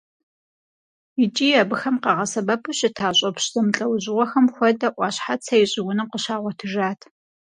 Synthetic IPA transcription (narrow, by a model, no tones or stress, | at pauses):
it͡ʃʼiːɐbɨxɐmqɑʁɐsɐbɐpʰɨɕɪtʰaːɕʼɐpɕzɐmɬʼɐwʑɪʁʷɔxɐmxʷɔdɐʔʷɑːɕħat͡sʰɐjɪɕʼɪɡʷʊnɨqəɕaːʁʷɔtʰɨʒaːtʰ